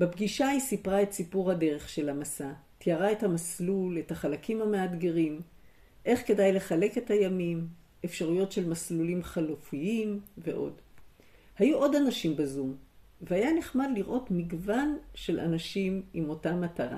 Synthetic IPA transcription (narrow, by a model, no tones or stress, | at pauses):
bebɡiʃaisipʁae̞tsipuʁhade̞ʁe̞χʃe̞lamasa | tjaʁae̞thamaslule̞taχalakimhameadɡe̞ʁim | ʔe̞χke̞dajle̞χale̞ke̞thajamim | e̞fʃaʁujo̞tʃe̞lmaslulimχalofiimve̞ʔo̞̰d | hajuʔo̞danaʃimbazumveajaneχmadliʁʔo̞tmiɡvanʃe̞lʔa̰naʃimimo̞tamataʁa̰